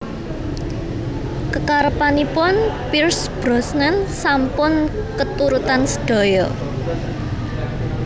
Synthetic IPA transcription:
kəkaɾəpanipʊnpirsb̥ɾɔsnənsampʊn | kət̪uɾut̪ansə̥ɖ̥ɔ̤jɔ

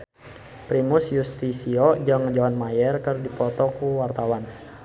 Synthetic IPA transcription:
pɾimusjust̪isiod͡ʒaŋd͡ʒawanmajɛrkərdipɔt̪ɔkuwart̪awan

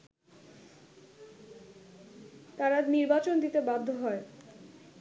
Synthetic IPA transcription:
t̪aɾaniɾbat͡ɕond̪it̪ebab̚d̪ʱoɦɔe

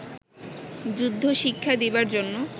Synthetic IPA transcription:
d͡ʑud̪ʱːoʃikʰːad̪ebaɾd͡ʑonːo

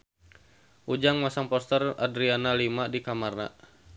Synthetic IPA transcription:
ʔud͡ʒaŋmasaŋpɔst̪əradɾianalimadikamarna̰

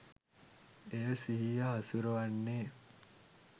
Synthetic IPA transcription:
esiɦijaɦɐsuɾuʋɐnːeː

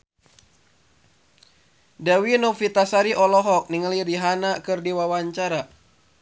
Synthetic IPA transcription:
dawinɔfit̪asaɾiʔɔlɔɦɔk̚niŋəliɾiɦanakɨrdiwawaɲt͡ʃaɾa

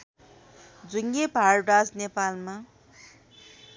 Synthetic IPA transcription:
d͡zuŋebʱarɖad͡znepalma

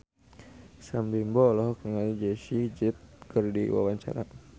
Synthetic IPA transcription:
sambimbɔlɔhkəŋald͡ʒɛʃid͡ʒit̪̚kərdḭwa̰waɲt͡ʃa̰ɾa̰

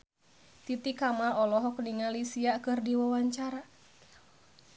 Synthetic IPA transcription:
t̪it̪ikamaɔlɔɦɔkniŋalisiakɨrdiwawaɲt͡ʃaɾa

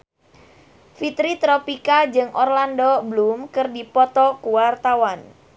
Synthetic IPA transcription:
fit̪ɾit̪ɾɔpikad͡ʒɨŋʔɔrlandoblumkɨrdipɔt̪ɔkuwart̪awan

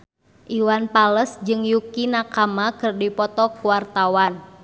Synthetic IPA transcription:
ʔiwanpaləsd͡ʒɨŋjukinakamakɨrdipɔt̪ɔkuwart̪awan

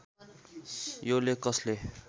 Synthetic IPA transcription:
jolekʌsle

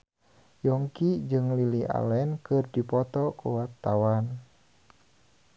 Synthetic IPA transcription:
jɔŋkid͡ʒɨŋliliʔa̰lɛnkɨrdipɔt̪ɔkuwat̪ːawan

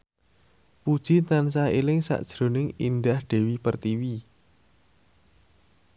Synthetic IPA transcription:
pud̥ʒ̥it̪ansaɦelɪŋsa̰ʔd̥ʒ̥ɾo̤nɪŋḭnd̪ahɖ̥e̤wipərt̪iwi

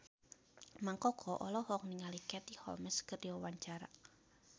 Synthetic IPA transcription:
maŋkɔkʰɔʔɔlɔhɔk̚niŋalikɛt̪ihɔ̰lmɛskərdiwawaɲt͡ʃaɾa̰

